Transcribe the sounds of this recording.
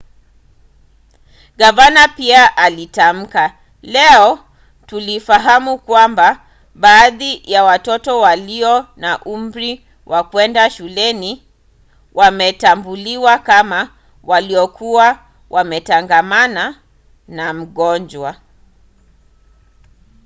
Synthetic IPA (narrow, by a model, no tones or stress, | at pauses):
ɡavanapiaʔalitam̩ka | lɛɔ | tulifaɦamukwamba | ɓaːðijawatɔtɔwaliɔnaʔum̩bɾi | wʔakwɛndaʃulɛni | wʔamɛtambuliwakama | waliɔkuwa | wʔamɛtaŋɡamana | nam̩ɠɔnd͡ʒwa